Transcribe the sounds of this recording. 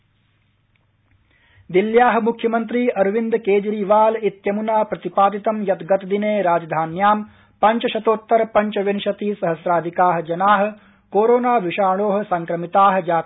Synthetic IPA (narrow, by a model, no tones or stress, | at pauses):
d̪iljaːɦɐ̆mukʰjɐmɐnt̪ɾiːɐɾʋind̪keːd͡ʒɾiːʋaːlit̪jɐmunaːpɾɐt̪ipaːd̪it̪ɐmjɐt̪ɡɐt̪ɐd̪ineːɾaːd͡ʒɐd̪ʱaːnjaːm | pɐɲt͡ʃɐʃɐt̪oːt̪ːɐɾɐpɐɲt͡ʃɐʋenʃɐt̪iːsɐɦɐsɾaːd̪ʱikaːɦɐ̆d͡ʒɐnaːɦɐ̆ | koːɾoːnaːʋiʃaːɭoːɦɐ̆sɐŋkɾɐmit̪aːɦɐ̆d͡ʒaː